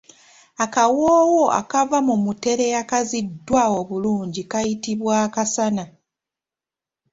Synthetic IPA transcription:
akawoːwoʔa̰kavamumute̞ɾe̞jakazidːwao̞βuluːɲɟikajitiβwaːkasana

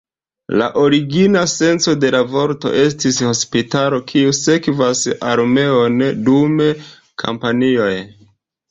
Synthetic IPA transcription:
la̰ʔo̞ɾiɡinase̞nt͡so̞de̞lavo̞ɾto̞̰ʔe̞s̬tisho̞spitalo̞kʰiuse̞kvasaɾme̞ondume | kʰa̰mpanio̞j

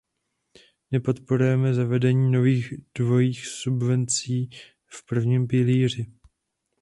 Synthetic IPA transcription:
nɛpo̞t̪po̞ɾujɛmɛzavɛdɛɲiːno̞viːɣd̥vo̞jiːxsubvɛnt͡siː | fpr̩vɲimpɪliːr̝ɪ

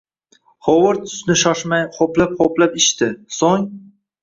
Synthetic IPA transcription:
χowɨɾt̪ʰʊ̥snɪʃɒʃmajqʰoplap̚qoplapɪʃt̪ɪsoŋ

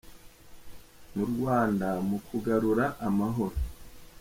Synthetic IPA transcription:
muɾɡwaːndamukʰuɡaɾuɾaʔːmaɦo̞ɾo

